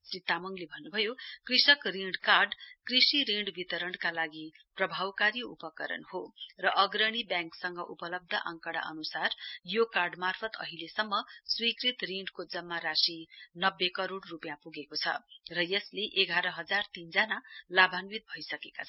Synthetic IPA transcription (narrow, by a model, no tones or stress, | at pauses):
srit̪amʌŋlebʱʌnːubʱʌjokrisʌkriɳɖkarɖkrisiɾiɳɖbit̪ʌɾʌɳkalaɡiprʌbʱawkaɾiṵpʌkʌɾʌ̰nhorʌʔʌɡɾʌɽ̃ibjãŋksʌŋɡʌʔupʌlʌb̚d̪ʱʌʔʌ̰ŋkʌɽa̰ʔʌ̰nusarjokarɖmarpʰʌt̪ʌ̰ɦilesʌmːʌswikrit̪riɳɖkod͡zʌmːaɾasinʌbːekʌɾoɽrupjãpuɡekot͡sʰʌ̰rʌjʌsleʔeɡʱaɾʌɦʌd͡zart̪ind͡zanalabʱanbit̪̚bʱʌjsʌkekat͡sʰ